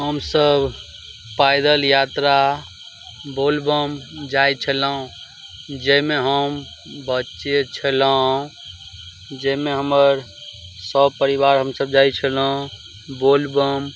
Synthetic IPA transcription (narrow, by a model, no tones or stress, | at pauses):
ɦəmsəb | pajd̪əljat̪ɾa | bolbəmd͡ʒajt͡ʃʰələũ | d͡ʒemeɦəm | bətːʃet͡ʃʰələ̃ | d͡ʒəmeɦəməɾ | səbpəɾibaɾɦəmsəbd͡ʒajt͡ʃʰələũ | bolbəm